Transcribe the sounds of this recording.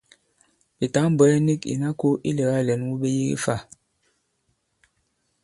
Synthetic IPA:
bi˨ta˨˦ŋ˦bwɛ˨˦ɛ˦ni˦˨kḭ˨na˦ko˦ʔḭ˦le˨ɣa˦˨lɛ˨˦n˦wu˦be˦ji˦ɡḭ˦fa˦˨

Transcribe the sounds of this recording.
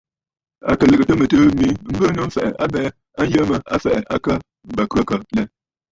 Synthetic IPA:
a̰˨kə˨lə˨kɨ˨tə˦mə˨təː˦mi˨˦ŋ̩˦bə˦no˦m̩˦fɛ˨ʔɛ̰˨ʔa˦bɛː˦ | a˦n˦jə˦mə˨a̰˦fɛ˨ʔɛ˨ʔa˦kə˦ | m˦ba˨kʉ˦a˦kə˨lɛ˦

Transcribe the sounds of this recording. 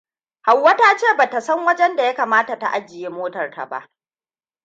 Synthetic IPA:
ha˨wːɐ˦taː˦t͡ʃeː˦˨baː˨ta˨sɐ˦ŋwɐ˦d͡ʒɛ˦nda˨ja˦kaː˨maː˦ta˨ta̰˨ʔa˦d͡ʒɪ˨jeː˦moː˦tɐ˨rta̰˨ba̰˦ʔ

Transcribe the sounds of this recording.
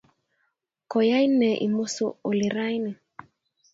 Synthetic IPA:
kɔ˨ja˦jnɛ˨ʔḭ˨mo˦so̰˦˨o˨li˨ɾa˦jni˨

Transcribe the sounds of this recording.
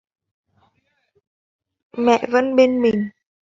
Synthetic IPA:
mɛ̰˧˨və˧˥nɓe˧nmï˨˩ŋ̟

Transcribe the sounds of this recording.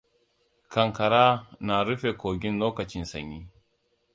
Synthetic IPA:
kɐ˨ŋka˨ɾa˦na˨ɾu˦fe˨koː˨ɡʲi˦nloː˦kɐ˨t͡ʃi˦nsɐ̰˨ɲːi˦

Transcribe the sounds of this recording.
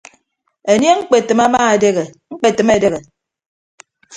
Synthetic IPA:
e˨n˦e˦ŋ͡m̩˦k͡pe˨tɨ˨ma˦maː˦e˨de˦ɣe˨ŋ͡m̩˦k͡pe˨tɨ˨me˦˨de˦ɣe˨

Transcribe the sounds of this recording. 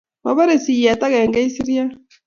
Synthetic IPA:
βa˨βa˦ɾe˨si˨ja˨ta˦ɣɛ˨ŋɡa˦i˦si˦ɾja˦

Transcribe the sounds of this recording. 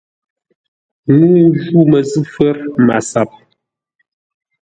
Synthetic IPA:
nuː˦ʒu˦mə˨zɨ˦fɛ˦ɾma̰˨sa˨p̚

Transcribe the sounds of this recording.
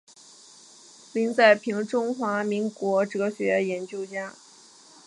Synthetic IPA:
li˧˥ŋt͡sa˥˩ɪpʰi˧˥ŋʈ͡ʂʊ˥ŋxwa˧˥mi˧˥ŋkwɔ˧˥ʈ͡ʂɤ˧˥ɡə˧˩ɕɥɛ˧˥jɛ˧˥nt͡ɕjo˥˧ʊt͡ɕja˥˩

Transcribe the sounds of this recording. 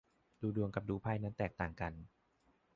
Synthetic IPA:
duː˧du˧əŋka˨˩p̚duː˧pʰaː˧jna˦˥nt̪ɛː˨˩k̚t̪aː˨˩ŋka˧n

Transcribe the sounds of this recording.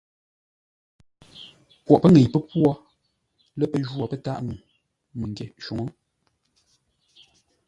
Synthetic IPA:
pwɔ˨ʔpə˦ŋe˨jpə˦pwɔ˦ | lɛ˦pə˦ʒwɔ˨pə˦ta˦ʔŋu˨ | mə˨ŋɡje˨ʃu˨ŋɔ˦

